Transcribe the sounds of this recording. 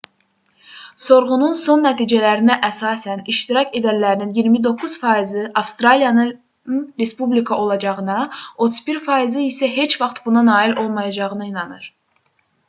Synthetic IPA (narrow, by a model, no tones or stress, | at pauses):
so̞ɾʁununso̞nːæt̪ʰiːd͡ʒælæɾinæʔæsɑːsæniʃt̪iɾɑcʰe̞d̪ænlæɾininjiɾmid̪o̞kʰːuz̥fɑːizɯʔɑfst̪ɾɑlijɑnɯ | ɾe̞spublikʰɑo̞lˠɑd͡ʒɑʁɯnɑo̞t̪ʰuz̥biɾfɑːizɯisæɦe̞t͡ʃvɑχt̪bunɑnɑːilo̞lˠmɑjɑd͡ʒɑʁɯnɯinɑnɯɾ